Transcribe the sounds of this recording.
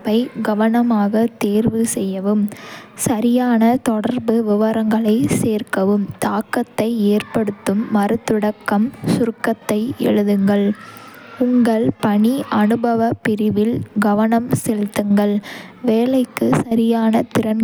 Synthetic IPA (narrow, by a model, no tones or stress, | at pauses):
pːɐɪɡɐʋɐnɐmaːɣɐt̪eːɾʋɯsɛjːɐʋɯmsɐɾɪjaːnɐt̪ɔɽɐɾbɯʋɪʋɐɾɐŋɡɐɭɐɪseːrkɐʋɯmt̪aːkːɐt̪ːɐɪeːrpɐɽɯt̪ːɯmːɐɾɯt̪ːɯɽɐkːɐmsʊɾkːɐt̪ːɐɪɛ̰ɻɯðɯŋɡɐɭ | ʊŋɡɐɭpɐɳiʔɐnɯbɐʋɐpːɪɾɪʋɪlɡɐʋɐnɐmsɛɻt̪ːɯŋɡɐɭʋeːlɐɪkːɯsɐɾɪjaːnɐt̪ɪɾɐm